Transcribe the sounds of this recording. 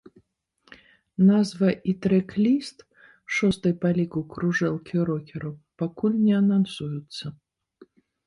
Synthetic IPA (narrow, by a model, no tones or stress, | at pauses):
nazvɐʔit̪ɾɛklʲist̪ | ʂɔst̪ɨjpalʲikukɾuʐɛlˠkʲʰiɾɔkʲɛɾupakulʲnʲɛɐnansujut̪sːɐ